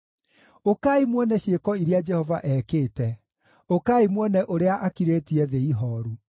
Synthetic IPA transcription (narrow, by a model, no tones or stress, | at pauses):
okaːimwɔnɛɕekɔiɾead͡ʒɛhɔvaʔɛːkeːtɛ | okaimwɔnɛʔoɾeaʔakiɾeːtiɛðeiɦɔːɾu